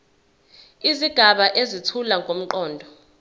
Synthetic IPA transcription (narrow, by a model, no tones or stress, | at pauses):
iziɡ̥ʱaɓaʔezitʰulaŋɡʱom̩ǃɔːndʱɔ